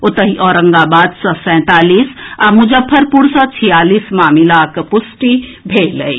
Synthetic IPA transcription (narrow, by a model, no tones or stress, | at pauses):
ot̪əɦiʔɔːɾəŋɡabad̪sə̃sɛ̃t̪aːlisamud͡ʒəpʰːəɾpuɾsə̃t͡ʃʰijalismamilakpusʈibʱelə̰i